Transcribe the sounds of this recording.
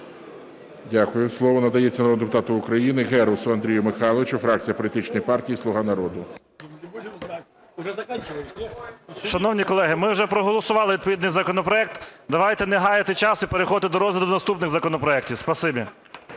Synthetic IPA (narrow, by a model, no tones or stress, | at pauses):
dʲakʊjʊslˠɔʋɔnɐd̪ɐjɛt͡sʲːɐnɔnd̪epʊt̪ɑt̪ʊʊkɾɐjinɪɣɛɾɐwsʊɐnd̪ʲɾʲijʊmɪxɑlˠɔʋɪt͡ʃʊfɾɑk̚t͡sʲijɐpɔlʲit̪ɪt͡ʃnɔjpɑrtʲijislˠʊɦɑnɐɾɔd̪ʊ | ɐt͡ʃ | ʃɐnɔwnʲikɔlˠɛɦɪmɪwʒɛpɾɔɦɔlˠɔsʊʋɑlˠɪʋʲid̪pɔʋʲid̪nɪjzɐkɔnɔpɾɔɛk̚t̪d̪ɐʋɑjt̪ɛneɦɑjɪt̪ɪt͡ʃɑsipeɾexɔt̪ɪd̪ɔɾɔzʲʋʲɪd̪ʊkʊnɐst̪upnɪɣzɐkɔnɔpɾɔɛktʲiwspɐsɪbʲi